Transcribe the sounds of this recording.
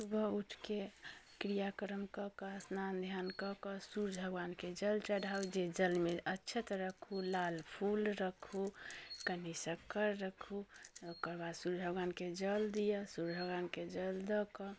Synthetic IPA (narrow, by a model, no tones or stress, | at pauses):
subʱəuʈʰkekɾijakɾəmkəkəsnand̪ʱjankɔkəsuɾbʱəɡwanked͡ʒəlt͡ʃəɽ̤ʱawd͡ʒed͡ʒəlmeətːt͡ʃʰət̪ɾəkʰulalpʰulɾəkʰukənisəkəɾːəkʰukəɾbasuɾbʱəɡwanked͡ʒəld̪ijəsuɾbʱəɡwanked͡ʒəld̪əkɔ